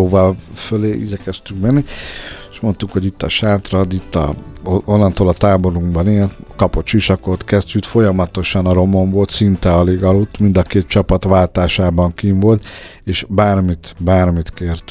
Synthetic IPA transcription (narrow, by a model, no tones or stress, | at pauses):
oːvɒlføleːʔḭɟɛkɛst̪yŋkmɛnːieʃmo̞nt̪ukho̞ɟit̪ːɒʃaːt̪rɒd̪it̪ːɒ̰onːɒnt̪oːlɒt̪aːbo̞ɾuŋɡbɒneːlt̪kɒpo̞t̪ʃiʃɒko̞t̪kɛztyt̪fo̞jɒmɒt̪o̞ʃɒnɒɾo̞moɱvo̞lt̪sint̪ɛɒleːɡɒlut̪ːmind̪ɒkeːt̪̚t͡ʃɒpɒt̪ʋaːlt̪aːʃaːbɒŋkiːɱvo̞lt̪ | eːʃbaːrmit̪baːrmit̪keːrt̪